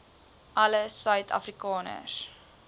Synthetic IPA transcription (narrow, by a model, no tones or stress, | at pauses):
ʔɐləsœɥtʰɐ̰frikɑːnə̰s